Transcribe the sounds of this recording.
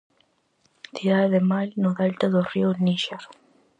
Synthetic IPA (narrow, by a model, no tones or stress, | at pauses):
θiðaeðemalnoðalt̪aðorioniʃaɾ